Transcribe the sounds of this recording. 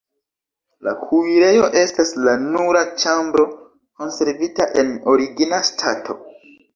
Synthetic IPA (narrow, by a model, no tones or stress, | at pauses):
la̰kʰuiɾe̞jo̞ʔe̞staslanuɾat͡ʃambɾo̞ | ko̞nse̞ɾvitaʔe̞no̞ɾiɡinastʰatʰo̞̰